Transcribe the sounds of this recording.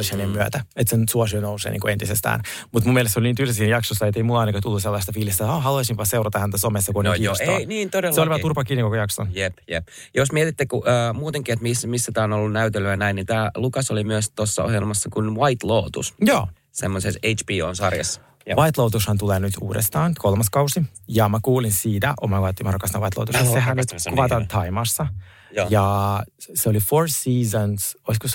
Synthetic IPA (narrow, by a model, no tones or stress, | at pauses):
ishænemmyæ̰t̪æet̪sensuosiønousḛːnḭːŋkuent̪isest̪æ̰ːn | mut̪mumiɛlest̪ːseoliniːnt̪ylisiːnjɑksosːɑet̪ːeimulːɑɑjnɑkɑt̪ulːuselːɑist̪ɑfiːlist̪æoːhɑluɑisimpɑseuɾɑt̪ɑhænt̪æsomesːɑkuoneioseiniːnt̪odelːseolʲiɑturpɑkiːnikokojɑkso̰njepjep | josmiɛt̪it̪ːekuʔəːmuːt̪eŋkiːet̪mismisːæt̪æːonolːunnæyt̪elyænæinːit̪æːlukɑsolimyøst̪osːɑ̰o̰hjelmɑsːɑkunʋɑjt̪loːt̪ṵsjoː | semːosesejt͡ʃpiːoːnsɑrjɑ̰sː | jʋɑit̪loːt̪ushɑnt̪uleːnyt̪ṵːdest̪ɑːnkʰolmɑskɑwsijɑmækuːlinsiːt̪æ̰ʔomɑkɑt̪ːimɑrokːɑst̪ɑʋɑjt̪lo̰ːt̪usseɦænyt̪kuʋɑt̪ɑːnt̪ʰɑimɑsːɑ | jojɑ | seolifoɹsiːzonsoiskos